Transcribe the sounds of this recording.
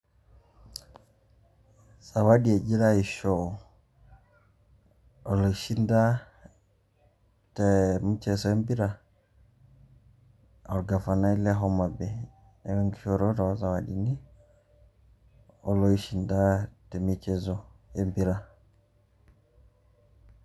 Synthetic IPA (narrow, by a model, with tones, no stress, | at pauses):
sa˨wa˦di˦ɛ˨d͡ʒi˦ɾa˦i˨ʃɔ | ɔ˨lɔ˨iʃi˦nda˦ | tɛmu˦t͡ʃɛsɔɛ˦mbi˦ɾa | ɔ˨ɾɡa˨fa˨na˦i˦lɛ˦ɦɔma˨bɛ˨ | nɛ˨wɛ˦ŋɡi˦ʃɔɾɔ˦ɾɔwa˦za˨wadini˦ | ɔlɔiʃindatɛ˨mit͡ʃɛzɔɛmbiɾa